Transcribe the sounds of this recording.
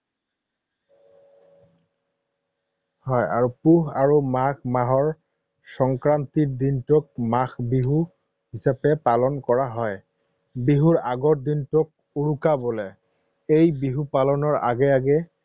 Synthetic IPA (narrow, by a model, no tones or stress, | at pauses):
hɔja̰ɹupuɦaɹumakmaɦɔɹ | sɔŋkɹant̪iɹd̪intʊk̚maxbiɦu | ɦisapɛpalɔnkɔɹaɦɔj | biɦuɹaɡɔtdintʊk̚ | uɹukabolɛ | ejbiɦupalɔnɔɹa̰ɡɛaɡɛ